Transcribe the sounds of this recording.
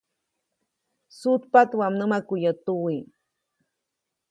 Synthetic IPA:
sut̪pat̪wamnəmakʊjat̪uwi

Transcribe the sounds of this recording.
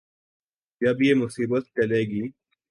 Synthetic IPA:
d͡ʒɐbjeːmʊsiːbət̪̚t͡ʃɐleːɡiː

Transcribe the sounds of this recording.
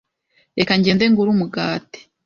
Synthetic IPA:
ekaɲɟeːndeŋɡuɾumuɡaːte̥

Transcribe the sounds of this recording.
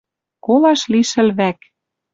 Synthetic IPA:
kolɑʃliʃɘ̆lβæk

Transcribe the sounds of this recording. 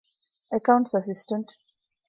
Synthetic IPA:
əkãʊ̃ɳʈsasisʈə̃ɳʈ

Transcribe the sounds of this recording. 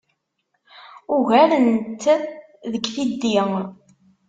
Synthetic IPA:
ʊɣæɾənt̪ | ðəkːθid̪ːi

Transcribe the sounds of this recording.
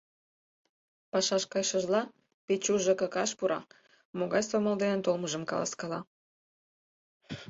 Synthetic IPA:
pɑʃɑʃkɑjʃə̆ʒlɑ | pet͡ɕuʒəkɤ̆kɑʃpuɾʔɑ̰ | moɣɑjst̪vomold̪enənt̪olməʒə̆mkɑ̰lɑ̰skɑlɑ̰

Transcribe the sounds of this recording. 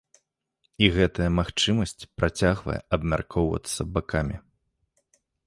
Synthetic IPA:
iɣɛt̪ɐjɐmaxt͡ʂɨmɐsʲt͡sʲpɾʔat͡sʲaɣvɐ̰jɛ̰ʔɐbmʲa̰rkʰɔwvɐ̰t̪sːɐbakʰamʲi

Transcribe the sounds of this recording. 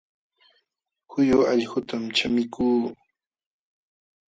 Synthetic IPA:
hʊjʊaʎhʊt̪amt͡ʃamɪkuː

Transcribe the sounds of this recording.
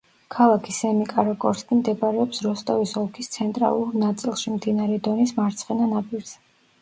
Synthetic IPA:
kʰalˠakʰisɛmikʼaɾɔkʼɔɾsk̪ʼimd̪ɛbʼaɾɛɔpsɾɔst̪ʼɔvisɔlˠkʰist̪sʰɛnt̪ʼɾa̰lˠuɾnat̪sʼilˠʃimd̪inaɾɛd̪ɔnismaɾt̪sʰχɛnanapʼiɾz̥ɛ

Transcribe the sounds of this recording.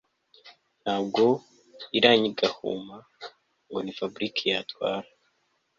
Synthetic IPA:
n̥haːb̚ɡo̞ | iɾaːɲiɡahṵma | ŋɡo̞nifabɾikʰijatwa̰ːɾa

